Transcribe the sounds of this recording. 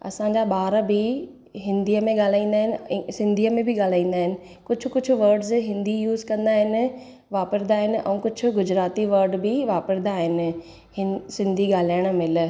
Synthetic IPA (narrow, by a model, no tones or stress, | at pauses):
ɐ̰sãːɲd͡ʑaɓaːɾbɪ | ɦɪ̃nd̪iːəmẽɠaːl̤aːĩːn̆d̪aːɦɪnɪ̆sɪ̃nd̪ʱiːəmẽbɪɠaːl̤aːĩːn̆d̪aːɦɪnɪ̆ | kʊd͡ʑʱʰʊ̆kʊd͡ʑʰʱʊ̆ʋəɾɖzɦɪ̃nd̪ijuːzkɐ̃nd̪aːɦɪnɪ̆ | ʋaːpəɾd̪aːɦɪnɪ̆ʔɛ̰̃ũːkʊd͡ʑʰʱʊ̆ɡʊd͡ʑɾaːt̪iʋɐɾɖbɪʋaːpəɾd̪aːɦɪnɪ̆ | hɪsɪ̃nd̪ʱiɡaːl̤aːəɽ̃̆mɪl̆